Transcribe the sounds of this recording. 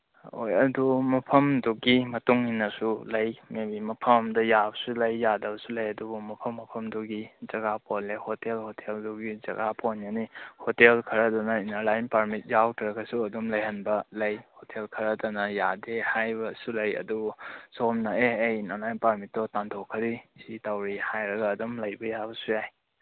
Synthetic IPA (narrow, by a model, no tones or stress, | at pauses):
ojɐdumɐpʰɐmduɡimɐtuŋhinːɐsulɐjmebimɐpʰɐmmdɐjabsulɐjːadɐbsulɐjɐdubumɐpʰɐmːɐpʰɐmduɡizɐɡaponlejhotelhotʰelduɡid͡ʒɐ̰ɡapʰonjanihotelkʰɐɾɐdunɐinaɾlajnpaɾmit̚jawtʰɾɐkɐsuɐdumlɐjɦɐnbɐlɐjhotʰelkʰɐɾɐdunɐjadehajbɐsulɐjɐ̰dusomnɐeejinaɾlajnpaɾmit̚ːdɔtantʰokʰːɐɾisitawɾihajɾɐɡɐːdumlɐjbɐjabɐsujaj